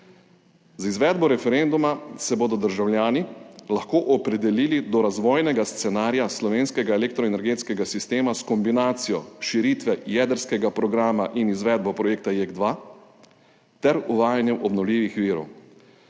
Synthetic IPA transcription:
zizʋɛːd̪bɔɾɛfɛɾend̪umasɛbod̪ɔd̪əɾʒawlʲjaːnilaxkoːʔɔpɾɛd̪ɛliːlid̪ɔɾazʋɔːjnɛɡast̪sɛnaːɾjaslɔʋeːnskɛɡaelek̚t̪ɾɔɛnɛɾɡeːt̪skɛɡasist̪eːmaskɔmbinaːt̪sijɔʃiɾiːt̪ʋɛjɛːd̪əɾskɛɡapɾɔɡɾaːmaʔinizʋɛd̪bɔpɾɔjeːk̚t̪ajeɡd̪ʋaː | t̪ɛɾuʋaːjanjɛmʔɔbnɔwlʲiːʋixʋiːɾɔ̰w

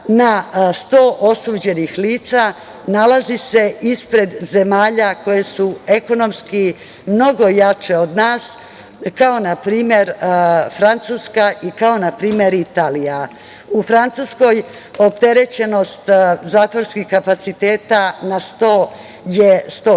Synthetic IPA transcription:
nast̪o̞ːʔosuːd͡ʑe̞nixliːt̪sa | nalazise̞ʔispɾe̞d̪ze̞maːʎako̞jesue̞ko̞no̞mski | mno̞ɡo̞jat͡ʃe̞od̪naːs | kao̞napɾiːmje̞ɾfɾant̪suːskaʔikao̞napɾiːmje̞ɾit̪aːlija | ufɾant̪suːsko̞j | o̞pt̪e̞ɾe̞t͡ɕe̞no̞st̪zaːt̪ʋoɾskixkapat̪sit̪e̞ːt̪anast̪o̞ː | jest̪o

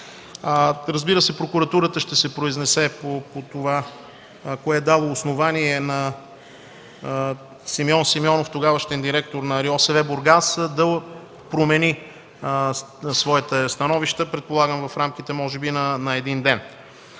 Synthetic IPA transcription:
ɾəzbiɾəsɛpɾokuɾɐt̪uɾət̪əʃt̪ɛsɛpɾoiznɛsɛpopot̪ova | koɛd̪alˠoːsnovaniɛnɐ | simiɔnsimiɔnoft̪oɡavəʃt̪ɛnd̪iɾɛkt̪oɾnɐɾiɔsɛvɛboɾɡasd̪ɐ | pɾomɛni | svɔjət̪ɛst̪ɐnɔviʃt̪əpɾɛt̪̚polˠaɡəmvɐfɾamk̟it̪ɛmɔʒɛbinɐnɐɛd̪ind̪ɛn

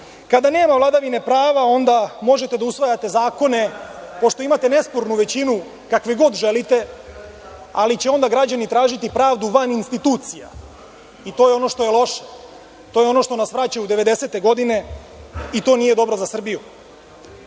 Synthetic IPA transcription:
kad̪ane̞ːmavlˠad̪aʋine̞pɾaːʋao̞nd̪amo̞ʒe̞t̪e̞d̪ausʋajat̪e̞zaːko̞ne̞po̞ʃt̪o̞imat̪e̞ne̞spoɾnuʋe̞t͡ɕinu | kakʋeɡo̞d̪ʒe̞lit̪e̞ | alit͡ɕeo̞nd̪aɡɾad͡ʑanit̪ɾaːʒit̪ipɾaːʋd̪uʋaninst̪it̪uːt̪sija̰ | it̪ojeo̞no̞ʃt̪o̞jelˠo̞ʃe̥ | t̪o̞jeo̞no̞ʃt̪o̞nasʋɾat͡ɕajud̪e̞ʋe̞d̪e̞se̞t̪e̞ɡo̞d̪ine̞ | it̪o̞ːnije̞d̪o̞bɾozasr̩biju

